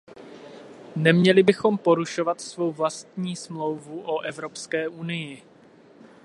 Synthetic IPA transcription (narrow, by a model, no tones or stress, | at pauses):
nɛmɲɛlɪbɪxo̞mpo̞ɾuʃo̞vat̪svo̞wvlast̪ɲiːsmlo̞wvuʔoʔɛvɾo̞pskɛːʔunɪjɪ